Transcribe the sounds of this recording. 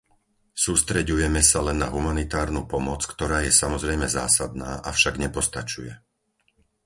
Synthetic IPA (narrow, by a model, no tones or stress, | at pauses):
suːst̪ɾɛɟujɛmɛsalɛnːa̰ɦumanit̪aːɾnupɔmɔt͡skt̪ɔɾaːjɛsamɔzɾɛjmɛza̰ːsad̪naːʔafʃaɡɲɛpɔst̪at͡ʃujɛ